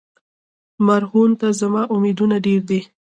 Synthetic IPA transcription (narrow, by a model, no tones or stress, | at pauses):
maɾhunt̪azamɑʔʊmed̪unaɖeɾd̪e